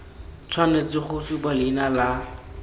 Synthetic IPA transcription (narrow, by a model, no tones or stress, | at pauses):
t͡sʰwanet͡sɪχʊsubalinala